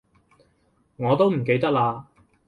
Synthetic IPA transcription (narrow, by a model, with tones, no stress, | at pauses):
ŋɔː˨˧t̪o˥wm̩˨˩k̬e˧jt̪ɐ˥k̚laː˧